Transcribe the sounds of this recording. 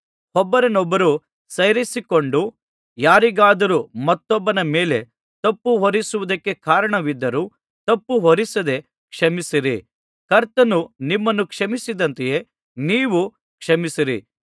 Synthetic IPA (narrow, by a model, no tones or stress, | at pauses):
hɔbːɐɾɐnɔbːɐɾu | sɐjɾisikoɳɖu | jaːɾiɡaːd̪ɐɾumɐt̪ːɔbːɐnɐmeːle̞ | t̪ɐpːuɦɔɾisuʋud̪ɐkːe̞kaːɾɐɳɐʋid̪ːɐɾuː | t̪ɐpːuɦɔɾisɐd̪e̞ | kʂɐmisiɾḭ | kɐɾt̪ɐnunimːɐnːukʂɐmisid̪ɐnt̪eje̞ː | niːʋu | kʂɐmisiɾḭ